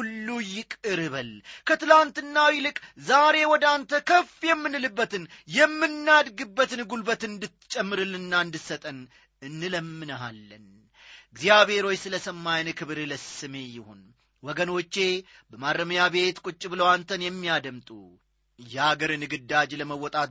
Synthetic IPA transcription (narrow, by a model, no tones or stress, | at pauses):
ulːujɪkʼɨɾɨβəlkʰət̪ɨlant̪ɨnːawilɨkʼzaɾe̞wɔd̪ant̪ʰəkʰəfjɛmːɨnɨlɨbːət̪ɨnjɛmːɨnːad̪ɡɨbːət̪nɨɡulbət̪ɨnd̪ɨt̪t͡ʃʼɛmːɨɾɨlnːaɨnd̪ɨtsət̪ʼən | ɨnːɨləmːɨnəɦa̰lːən | ɨɡzijaβhe̞ɾo̞jsɨləsəmːajnkʰɨβɨɾɨləsɨme̞jɪhon | wɔɡəno̞t͡ʃːe̞bəmaɾːəməjaβe̞t̪kʼut͡ʃʼːbɨləwant̪ʰənjɛmːijad̪əmt̪ʼu | jɛaɡəɾɨnɨɡɨd̪ːad͡ʒləməwːɔt̪ʼat̪